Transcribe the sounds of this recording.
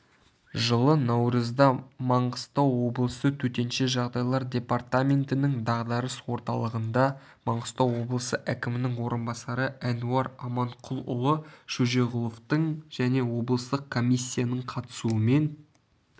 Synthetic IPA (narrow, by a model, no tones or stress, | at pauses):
ʒəlˠənɑwɾəzd̪ɑmɑɴɢəst̪ɑwːo̞blˠəsət̪ʰɵt̪e̞nʃe̞ʒɑʁd̪ɑjlˠɑɾd̪ʲe̞part̪amʲe̞nt̪ɪnɪŋd̪ɑʁd̪ɑɾəswo̞ɾt̪ɑlˠəʁənd̪ɑ | mɑɴʁəst̪ɑwwo̞blˠəsəʔækʲɪmɪnɪŋwo̞ɾənbɑsɑɾəʔænuɑɾɑmɑɴqʰʊlˠʊ̰lˠəʃɵʒe̞ʁʊlˠoft̪əɴʒ̥æne̞wo̞blˠəst̪əq̚kʰːomʲijsʲːijanəɴqʰɑt̪ə̥suəme̞n